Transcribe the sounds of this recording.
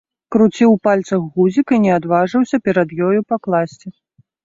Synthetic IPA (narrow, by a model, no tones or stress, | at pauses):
kɾut͡sʲiwpalʲt̪sɐɣːuzʲikinʲɛad̪vaʐɨwsʲɐpʲɛɾɐd̪jɔjupɐklˠasʲt͡sʲɛ